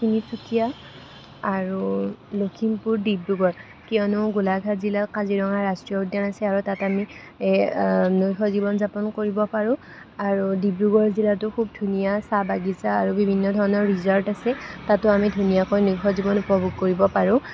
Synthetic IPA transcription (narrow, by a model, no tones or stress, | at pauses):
kinisʰutʰija | aɹulokʰimpuɹdibɹuɡɔɹ | kiɔnʊɡulaɡʱatzilatkaziɹɔŋaɹastɹijɔudjanasɛaɹutatami | nuxʰɔzibɔnzapɔnkoɹibɔpaɹʊ̃ | aɹudibɹuɡɔɹzilatʊkʰub̚dʱunijasabaɡizaːɹubibʱinːɔdʱɔɹɔnɔɹːizɔltasɛtatʊamidʱunijakojnuxʰɔzibɔnupɔbʱuɡ̚koɹibɔpaɹʊ̃